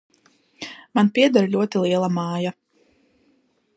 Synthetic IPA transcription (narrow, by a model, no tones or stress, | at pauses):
manpʲiɛd̪aɾlʲuɔt̪ilˠiɛlˠamaːja